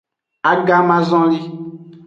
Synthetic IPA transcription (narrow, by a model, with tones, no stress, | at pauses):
a˦ɡa˦mã˦zɔ̃˦li˦